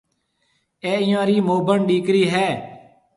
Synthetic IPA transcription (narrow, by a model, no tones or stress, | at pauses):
eːɪjãːɾiːmoːbʱəɳɗiːkɾiːɦɛː